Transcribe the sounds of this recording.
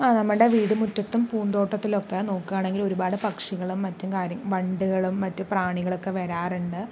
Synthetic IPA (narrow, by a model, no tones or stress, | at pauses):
aːnɐmːɐɨɽeʋiːɽɨmutːɐt̪ːumpuːnd̪o̞ːʈːɐt̪ːilo̞kːe̞no̞ːkːaːɳe̞ŋɡilo̞ɾubaːɽɨpɐkʂiɣɐɭumːɐtːumkaːɾjɐɡʋɐɳɖuɣɐɭumːɐtːupraːɳiɣɐɭo̞kːe̞ʋɐɾaːruɳɖɨ